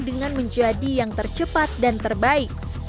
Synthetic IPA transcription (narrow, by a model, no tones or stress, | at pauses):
dəŋanməɲd͡ʒadijaŋt̪ərt͡ʃəpat̪̚dant̪ərbaɪk̚